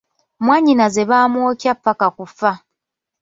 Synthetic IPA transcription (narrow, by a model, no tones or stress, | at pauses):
mwaːɲinaze̞βaːmwoːcjapːakakufa